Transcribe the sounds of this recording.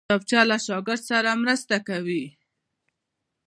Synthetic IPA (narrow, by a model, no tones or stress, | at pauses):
ap̚t͡ʃjalaʃɑɡɪɾd̪saɾamɾəst̪akawi